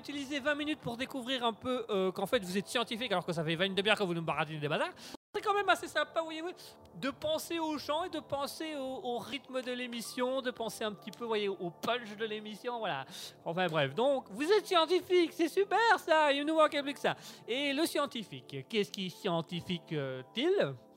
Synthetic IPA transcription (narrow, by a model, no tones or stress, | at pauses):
yt̪ilizevɛ̃minyt̪̚puʁd̪ekuvʁiʁɛ̃pøøkɑ̃fɛt̪vuzɛt̪sjɑ̃t̪ifikalɔʁkəs̬afɛvɛ̃ynd̪əmjɛʁkəvunubaʁat̪ined̪ebazaːʁsɛkɑ̃mɛmasesɛ̃pavwajevu | d̪əpɑ̃seoʃɑ̃ed̪əpɑ̃seoːʁit̪məd̪əlemisjɔ̃d̪əpɑ̃seɛ̃pət̪ipøvwajeʔopœ̃nʃd̪əlemisjɔ̃vwala̰ɑ̃fɛ̃bʁɛfd̪ɔ̃kvuzɛt̪sjɑ̃t̪ifiksɛsypɛʁsaimnuvãkɛlbljykəsaeləsjɑ̃t̪ifikːiɛsə̥kʲɛsjɑ̃t̪ifikøt̪il